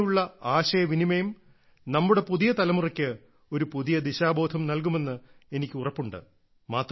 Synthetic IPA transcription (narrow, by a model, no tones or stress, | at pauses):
uɭːɐaːɕɐjɐʋinimɐjum | nɐmːuɽe̞puðijɐt̪ɐlɐmurɐkʲːɨ | o̞ɾupuðijɐd̪iɕaːbo̞ːd̪ʰʱɐmnɐlkume̞nːɨ | e̞nikʲːɨurɐpːuɳɖɨ̰ | maːt̪r